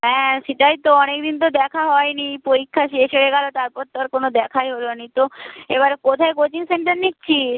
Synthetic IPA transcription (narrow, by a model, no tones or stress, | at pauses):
ɦɛ̃ʃeʈajt̪oɔnekd̪int̪̬od̪ɛkʰaɦɔenipoɾikʰːaʃeʃeeɡalot̪aɾpɔɾt̪ːoɾkonod̪ɛkʰajɦolonit̪oḛβaɾkot̪ʰaekot͡ɕiŋseɳʈaɾnikt͡ɕʰi